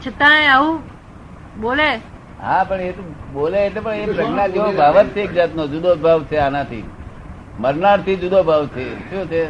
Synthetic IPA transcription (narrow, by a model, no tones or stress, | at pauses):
t͡ʃʰət̪ãeaʋũ | ɓole | ɦãpəɳet̪oboleːt̪epəɳepɾəknad͡ʒeʋobʱaʋət̪t͡ʃʰeek̚d͡ʒat̪nod͡ʒud̪obʱaʋt͡ʃʰeanat̪ʰḭ | məɾnaɽt̪ʰid͡ʒud̪obʱaʋt͡ʃʰeʃũt͡ʃʰe